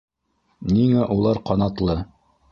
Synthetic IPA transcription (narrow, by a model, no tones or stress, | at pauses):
niŋæʔulˠɑɾqɑnɑt̪lˠɤ